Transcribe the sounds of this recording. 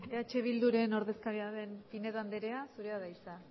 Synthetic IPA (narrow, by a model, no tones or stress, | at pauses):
eat͡ʃe̞β̞ild̪uɾe̞no̞ɾðe̞skaɾiaβe̞mpine̞ðand̪eɾe̞asuɾe̞aðajsa